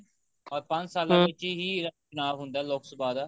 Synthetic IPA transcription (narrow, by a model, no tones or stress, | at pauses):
ɔːɾpə̃ɲd͡ʒsaːlãːʋɪt͡ʃiːɦiːɾət͡ʃʊnaːʋɦʊ̃nd̪aːloːksəbaːd̪aː